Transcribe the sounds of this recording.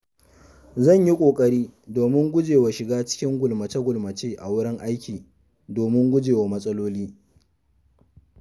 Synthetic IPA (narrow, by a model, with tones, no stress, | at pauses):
zɐ˦˨ɲji˦kʷʼoː˨kʼɐ˦ɾiː˦doː˨mɪ˦ŋɡʷʊ˦d͡ʒeː˨wa˨ʃɪ˨ɡaː˦t͡ʃɪ̥˦kʲɪ˦ŋɡʷʊ˨lmɐ˨t͡ʃɐ˦ɡʷʊ˨lmɐ˨t͡ʃeː˦ʔa̰˨wʊ˦ɽɪ˦ŋʔa˦jkʲiː˨ | doː˨mɪ˦ŋɡʷʊ˦d͡ʒeː˨wa˨mɐ˦sʼɐ˦loː˦liː˦